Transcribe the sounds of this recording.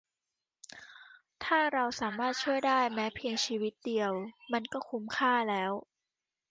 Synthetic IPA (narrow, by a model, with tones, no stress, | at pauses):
t̪ʰaː˥˩ɾa˧wsaː˩˦maː˥˩t̪̚t͡ɕʰu˥˩əjdaː˥˩jmɛː˦˥pʰi˧əŋt͡ɕʰiː˧wi˦˥t̪̚di˧əwma˧nkɔː˥˩kʰu˦˥mkʰaː˥˩lɛː˦˥w